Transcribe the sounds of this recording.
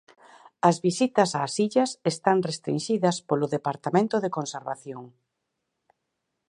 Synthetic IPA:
ɐzβisit̪ɐsaːsiʎɐsest̪aŋrest̪ɾinʃiðɐspolʊðepaɾt̪amẽnt̪ʊðekonseɾβa̰θjoŋ

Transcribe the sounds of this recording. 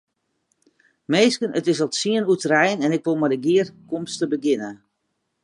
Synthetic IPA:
meːskənʔətɪsɔtsiənutərɛjnɛnɪkʋolˠmadəɡiərkomstəbəɡɪnə

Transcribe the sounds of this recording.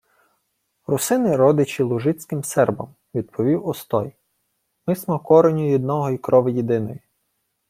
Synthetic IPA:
rʊsɪnɪɾɔd̪ɪt͡ʃilˠʊʒɪt͡sʲkɪmsɛrbɐ̰m | ʋʲid̪̚pʰɔʋʲiwɔst̪ɔj | mɪsmɔkɔɾenʲʊjid̪nɔɦɔjkɾɔʋɪjid̪ɪnɔji

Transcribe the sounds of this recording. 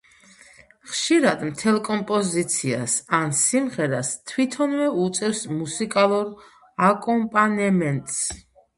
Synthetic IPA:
χʃiɾad̪mt̪ʰɛlˠkʼɔmpʼɔzit̪sʰia̰sansimʁɛɾast̪ʰwit̪ʰɔnvɛut̪sʼɛfsmusikʼalˠuɾ | akʼɔmpʼanɛmɛnt̪ʼs

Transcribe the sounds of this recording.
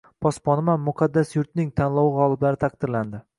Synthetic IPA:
pʰɒspɒnɪmanmʊqʰɑd̪ːasjʊɾt̪nɪŋt̪ʰanlˠɒwɪʁɒlˠɪblaɾɪt̪ʰaq̚d̪ɪɾland̪ɪ

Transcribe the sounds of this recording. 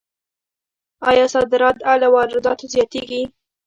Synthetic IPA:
ɑjɑsɑd̪ɪɾɑt̪alawɑɾɪd̪ɑt̪ozjɑt̪eɡi

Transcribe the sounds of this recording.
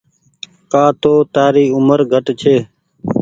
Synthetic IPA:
kãːt̪oːt̪aːɾiːʊməɾɡʱəʈt͡ʃʰeː

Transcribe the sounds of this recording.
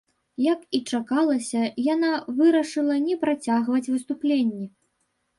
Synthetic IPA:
jɐkit͡ʂakalˠɐsʲɐjanavɨɾɐʂɨlˠɐnʲɛpɾat͡sʲaɣvɐt͡sʲvɨst̪uplʲenʲːɛ

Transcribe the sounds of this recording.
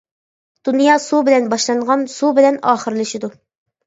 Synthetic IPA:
d̪̥unjɑːsubɪlɛnbɑʃlˠɑɴʁɑnsubɪlɛnɑːχəɾɨlˠɨʃid̪u

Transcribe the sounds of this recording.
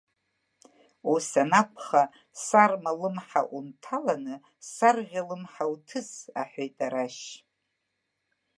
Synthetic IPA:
usanakʷʰʼχa | sarmalɨmħa̰ʔuntʰalanɨ | sarʁʲalɨmħawtʰɨza̰ħʷᶣejtʼaɾaʃ

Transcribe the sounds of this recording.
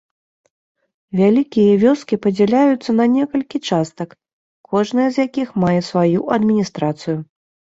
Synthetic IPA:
vʲalʲikʲijɐvʲɔskʲipɐd͡zʲɛlʲajut̪sːɐnɐnʲɛkɐlʲkʲit͡ʂast̪ɐk | kʰːɔʐn̪ɐjɐzjakʲixmajɛsvajuʔɐd̪mʲinʲist̪ɾat̪sɨju

